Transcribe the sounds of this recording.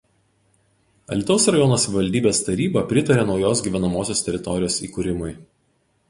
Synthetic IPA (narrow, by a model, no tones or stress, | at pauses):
ɐ̰lʲɪt̪oːsɾɐjɔnoːsʲɛʋʲɪʋɐlʲd̪ʲiːbʲeːst̪ɐɾʲiːbɐpʲɾʲɪt̪ɐɾʲeːnɒʊjoːs̬ɡʲiːʋʲɛnɐmoːsʲoːsʲt̪ʲɛɾʲɪt̪ɔɾʲɪjoːsḭːkuɾʲɪmʊɪ